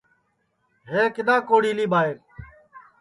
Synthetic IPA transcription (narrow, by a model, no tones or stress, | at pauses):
ɦeːkɪd̪ãːkoːɽiːliːbaːeɾ